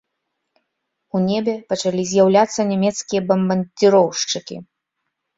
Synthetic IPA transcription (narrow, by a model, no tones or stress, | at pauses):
unʲebʲɛpɐt͡ʂalʲizʲjawlʲat̪sːɐnʲɛmʲɛt̪skʲijɐbɐmbɐnʲd̪ʲiɾɔwʂt͡ʂɨkʲḭ